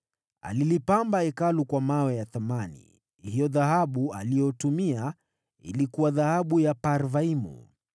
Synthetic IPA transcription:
a̰lilipambaɛkalukwamawɛjaθamanḭ | hijɔðahaɓualijɔtumia | ḭlikuwaðahaɓujapaɾvaimṵ

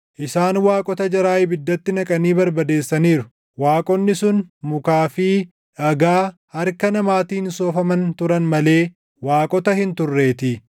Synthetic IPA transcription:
ʔɪsaːnwaːkʼɔt̪ɐd͡ʒɐɾaːjɪbɪd̪ːɐt̪ːɪnɐkʼɐniːbɐɾbɐd̪e̞ːsːɐniːɾʊ | waːkʼɔnːɪsʊnmʊkaːfiː | ɐɡaːhɐɾkɐnɐmaːt̪iːnsoːfɐmɐnt̪ʊɾɐnmɐle̞ː | waːkʼɔt̪ɐhɪnt̪ʊrːe̞ːt̪ɪ

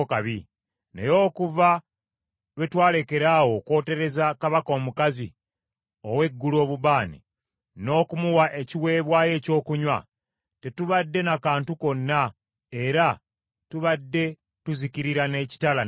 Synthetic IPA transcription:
kaβi | nḛjo̞ːkuva | lwe̞twaːle̞ke̞ɾaːwo̞kwo̞ːte̞ɾe̞zakaβako̞ːmukazi | owe̞ɡːulo̞ːβuβaːnḭ | no̞ːkumuwaʔe̞ciwe̞ːβwaːje̞ːco̞ːkuɲwa̰ | te̞tuβadːe̞nakaːntuko̞nːa | e̞ɾa | tuβadːe̞ | tuzikiɾiɾane̞ːci̥tala

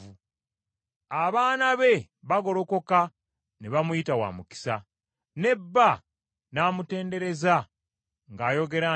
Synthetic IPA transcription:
u | aβaːnaβe̞ | βaɡo̞lo̞ko̞ka | neβamujitawa̰ːmuki̥sa | ne̞bːa | naːmute̞ːnde̞ɾe̞za | ŋɡaːjo̞ɡe̞ɾa

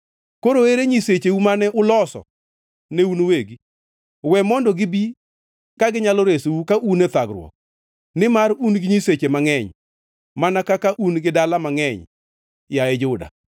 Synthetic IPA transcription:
koɾoeɾeɲiset͡ʃeumanɛʔʊlɔsɔ̰ | neunoweɡi | wɛmɔndɔɡɪbi | kaɡɪɲalɔɾesoukaʔunet̪aɡɾwɔ̰k̚ | nɪmaɾunɡɪɲiset͡ʃemaŋɛɲ | manakakaʔunɡɪdalamaŋɛɲ | jaɛd͡ʒʊda̰

